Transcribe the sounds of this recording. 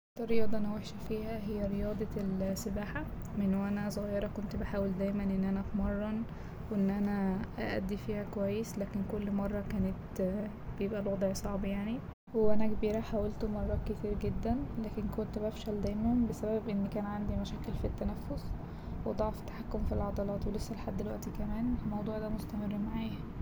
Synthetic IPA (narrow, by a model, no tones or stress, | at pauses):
t̪ːɑɾːjɑːd̪ˤɑʔenæweħʃæfiːhæɦejːæɾejɑːd̪ˤɑlsebaːħa | menːwʔænæsˤoɣɑjeɾˤɑkont̪baħaːweld̪æːjmænʔenːʔænæʔfmɑrˤːɑn | wʔenːʔænæʔæ̰ʔæ̰d̪ːifiːhækowæjːeslæːkenkolːmɑrˤːɑkæːnet̪ | bejebʔælwɑd̪ˤʕsˤɑʕbjaʕni | weʔænækbiːɾæħaːwælt̪omɑrˤːɑːket̪iːɾɡed̪ːænlæːkenkont̪bæfʃæld̪æjmæhombesæbæbʔenːkæːnʕand̪imæʃæːkelfit̪ːænæfːos | wed̪ˤɑʕft̪ːḁħakːomfilʕɑd̪ˤɑlɑːt̪welesːælħad̪ːelwæ̰ʔt̪ikæmæːnelmɑwd̪ˤuːʕd̪æmost̪æmerːmaʕaːæ